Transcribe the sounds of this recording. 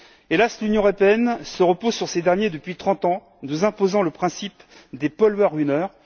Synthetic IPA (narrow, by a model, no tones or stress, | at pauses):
elaslynjɔ̃əʁɔpeɛnsəʁəpozsyʁsed̪ɛʁnjed̪əpɥit̪χɑ̃t̪ɑ̃ | nuzɛ̃pozɑ̃ləpχɛ̃sip | d̪epɔlwœʁynœːʁ